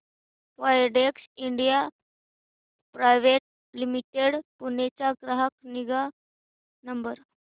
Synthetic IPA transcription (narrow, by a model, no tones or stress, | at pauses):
ʋajɖeksiɳɖija | pɾajʋeʈ̚ | limiʈeɽpunet͡ɕaɡɾaɦak̚niɡa | nəmbəɾ